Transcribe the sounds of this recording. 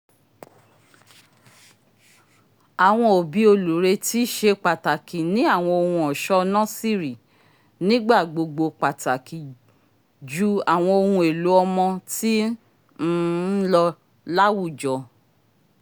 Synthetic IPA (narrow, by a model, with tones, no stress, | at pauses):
a˨w̃ɔ̃˧o˨bi˨˦o˧lu˨ɾe˧ti˦ʃe˧k͡pa˨ta˨ki˨nĩ˨˦a˦˨w̃ɔ̃˧o˧hũ˧ɔ˨ʃɔ˦nã˦si˦˨ɾi˨ | nĩ˦ɡ͡ba˦˨ɡ͡bo˧ɡ͡bo˧k͡pa˨ta˨ki˨ | d͡ʒu˨˦a˨w̃ɔ̃˧o˧hũ˧e˨lu˨˦ɔ˧mɔ̃˧ti˦ | n̩˦lɔ˧ | la˦wu˦˨d͡ʒɔ˨